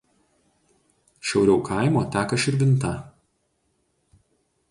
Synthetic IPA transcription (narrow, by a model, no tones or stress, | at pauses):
ʃʲɛʊɾʲɛʊkʰɐˑɪmoːt̪ʲæːkɐʃɪɾʲʋʲɪnˑt̪ɐ